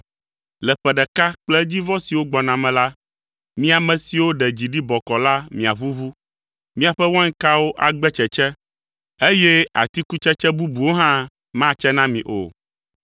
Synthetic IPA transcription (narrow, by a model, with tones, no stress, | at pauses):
lɛ˨ɸɛ˨ɖɛ˨ka˦k͡plɛ˦d͡ʑi˦vɔ̃˦si˨wo˦ɡ͡bɔ˨nã˨mɛ̃˨la˦ | mĩ˦a˨mɛ̃˨si˨wo˦ɖɛ˨d͡ʑi˨ɖi˦bɔ˨kɔ˨la˦mĩ˨a˨βu˦βu˦ | mĩ˦a˨ɸɛ˦wɔ̃˦ŋ̩˦ka˦wo˦ʔa˨ɡ͡bɛ˦t͡ʃɛ˨t͡ʃɛ˦ | e˦jɛ˦a̰˨t̪i˦ku˦t͡ʃɛ˦t͡ʃɛ˦bu˦bu˨wo˦ɦã˦ | mã˦t͡ʃɛ˦nã˦mĩ˨ʔo̰˨